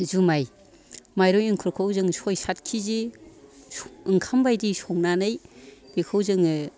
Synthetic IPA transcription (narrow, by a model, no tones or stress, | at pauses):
zumaj | majɾɔjɯŋkʰɯɾkʰawzɯŋsɔjsat̚kʰize | ɯŋkʰambajdisɔŋnanɯjbekʰɯwzɯŋɯ